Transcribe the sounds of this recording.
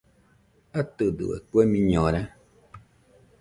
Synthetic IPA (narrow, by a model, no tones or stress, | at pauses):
at̪ədɨ̰ɛ̰k͡pɛmĩɲɔ̃ɾɛ